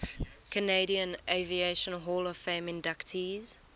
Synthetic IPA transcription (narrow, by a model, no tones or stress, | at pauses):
kʰəneɪɾiə̃nʔeɪvieɪʃə̃nɦɔːləv̥fẽmɪ̃ndaktʰiz̥